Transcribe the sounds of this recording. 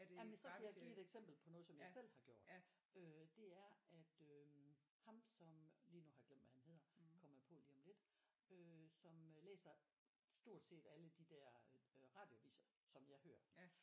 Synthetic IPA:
jæmənsɒ̽kʰæjäɪɡ̥ḭːe̝d̥eɡ̥sem̰b̥l̩pʰɒ̽nɔ̽ːð̩ˠsɒ̽mjɑ̈ɪsel̰hɑ̈ɡ̥jo̝̰d̥ | ød̥e̝æɐæd̥ø | hɑ̈msɒ̽mliːnuɦɑ̈ɡ̥lem̰d̥ʋæhænhe̝ð̞̰ˠɐkʰɒ̽mɐpʰɔ̽liːɒ̽mle̝d̥ | øsɒ̽mølḛːsɐ | sd̥o̝ɐ̰d̥se̝̰ːd̥æləd̥id̥æɐ̰ʁɑ̈ːd̥jo̝æʋḭːsɐsɒ̽mjɑ̈ɪhøːɐ

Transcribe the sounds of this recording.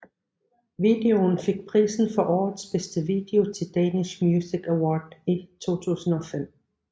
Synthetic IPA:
ʋid̥e̝o̝nfe̝ɡ̥̚pʰʁḭːsn̩fɒ̽ʔɒ̰ːð̩ˠsb̥esd̥əʋiːd̥e̝o̝t͡sʰe̝ld̥ɛːnismjuːsiɡ̥æwɒ̰ːd̥it͡sʰo̝̰ːt͡sʰṵːsn̩ɒ̽fem̰

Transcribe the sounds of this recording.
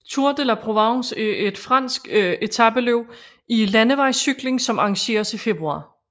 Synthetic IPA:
t͡sʰuɐd̥elæpʰʁo̝ʋɑ̈see̝d̥fʁɑ̈n̰sɡ̥e̝t͡sʰɑb̥əløʊ̰ | ilænəʋɑ̈ɪ̰syɡ̥le̝ŋsɒ̽mɑ̈ŋɕe̝̰ːɐsife̝b̥ʁuɑ̰̈ː

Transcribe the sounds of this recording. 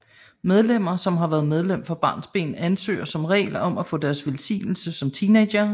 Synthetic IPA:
með̞ˠlem̰ɐsɒ̽mɦɑ̈ʋæːɐðˠmeð̞ˠlem̰fɒ̽b̥ɑ̈ːnsb̥e̝̰ːn̩ænsø̰ːɐsɒ̽mʁɛ̰ːɪlɒ̽mæfɔ̰̽ːd̥æɐsʋelsḭːnl̩səsɒ̽mt͡sʰiːne̥ɐ

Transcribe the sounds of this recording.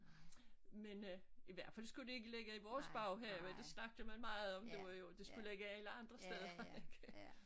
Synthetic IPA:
meniʋæɐ̰̥fælsɡ̥ud̥e̝e̝ɡ̥əleɡ̥əiʋɒːsb̥ɑ̈ʊɦæɐ̰med̥esnɑ̈ɡ̥̚d̥əmænmɑ̈ːð̩ˠɒ̽md̥e̝ʋɑ̈jo̝d̥e̝sɡ̥uleɡ̥əæləɑ̈nd̥ʁɐsd̥eð̞ˠɐeɡ̥

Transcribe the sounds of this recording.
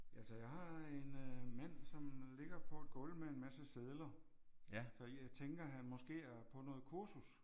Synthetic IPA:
ʔælsəjɑ̈ɪɦɑ̈e̝nmæn̰sɒ̽mle̝ɡ̥ɐpʰɒ̽æd̥ɡ̥ɔ̽lmee̝nmæsəseð̞ˠlɐ | sɒ̽jɑ̈ɪt͡sʰeŋɡ̥ɐɦænmɒ̽sɡ̥e̝̰ːæɐpʰɒ̽nɔ̽ːð̩ˠkʰuɐsus

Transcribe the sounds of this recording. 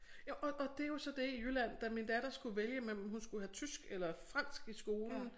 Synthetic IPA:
jæʔɒʔɒ̽d̥e̝jo̝sɒ̽d̥e̝ijylæn̰d̥æmind̥æd̥ɐsɡ̥uʋeljəmelmhunsɡ̥uhɦæt͡sʰysɡ̥elɐfʁɑ̈n̰sɡ̥isɡ̥o̝ːln̩

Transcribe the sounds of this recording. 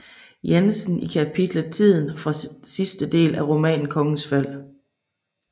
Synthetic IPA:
jensn̩ikʰæpʰid̥lət͡sʰið̰ˠn̩fʁɑ̈sisd̥əd̥e̝̰ːlæʁo̝mɛ̰ːnn̩kʰɒ̽ŋn̩sfæl̰

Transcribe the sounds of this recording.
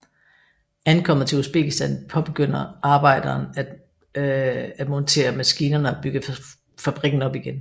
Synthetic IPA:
ænkʰɒ̽m̰ɐt͡sʰe̝usb̥e̝ɡ̥ʰisd̥ænpʰɒ̽b̥e̝ɡ̥øn̰ɐʔɑ̈ːb̥ɑ̈ɪ̰d̥ɐːnæd̥ | æ̥mɒ̽nt͡sʰe̝̰ːɐmæsɡ̥iːnɐnəɒb̥yɡ̥ə | fæb̥ʁiɡ̥n̩ɒ̽b̥iɡ̥en

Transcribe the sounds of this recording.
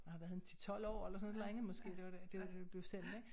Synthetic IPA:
mhɑ̈ʋæɐðˠnt͡sʰi̥t͡sʰɒ̽l̰ɒ̰ːelɐsɔ̽nˠdeʁeŋð̩ˠmɒ̽sɡ̥e̝̰ːd̥e̝ʋɑ̥ed̥e̝ɑd̥eb̥le̝ʊsen̰d̥eɡ̥

